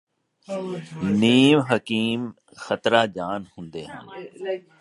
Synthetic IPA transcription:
niːmɦəkiːm | xɐt̪ɾad͡ʒaːnhʊ̃ːnd̪eːɦã̰ːn

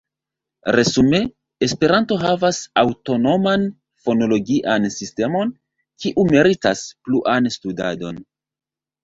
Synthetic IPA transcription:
ɾesume̞ | espe̞ɾanto̞ɦavasawto̞no̞man | fo̞no̞lo̞ɡiʔansiste̞mo̞n | kiʔumeɾitaspluʔanstuda̰do̞̰n

